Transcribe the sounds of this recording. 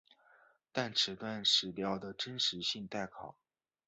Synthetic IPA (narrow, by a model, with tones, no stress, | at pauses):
t̪a˥˩nʈ͡ʂʰɻ̩˨˩t̪wa˥˩nʂɻ̩˨˥pjɑ˥ʊd̪ə˨ʈ͡ʂə˥nʂɻ̩˧˥ɕi˥˧ŋt̪a˥˩ɪkʰɑ˨˩˦ʊ